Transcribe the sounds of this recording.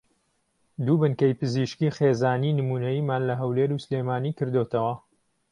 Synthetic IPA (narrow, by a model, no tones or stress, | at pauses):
d̪uːbɨnkɐjpɨziːʃkiːxeːzaːniːnɨmuːnɐjiːmaːnlɐɦɐwleːɾuslemaːniːkɨɾd̪o̞t̪ʰɐwɐ